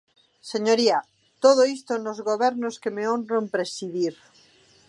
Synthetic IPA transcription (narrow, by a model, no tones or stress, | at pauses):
seɲoɾia | t̪oð̞oist̪onozɣoβeɾnoskemeonrompɾesiðiɾ